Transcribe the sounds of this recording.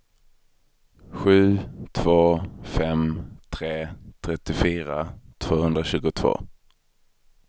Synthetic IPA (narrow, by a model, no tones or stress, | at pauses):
ɧʉ̟ːt̪ʰv̥oːfɛmt̪ʰɾeːt̪ʰɾɛt̪ːɪfyːɾat̪ʰv̥oːhɵnd̪ɾaɕʉ̟ːɡʊt̪ʰv̥o̰ː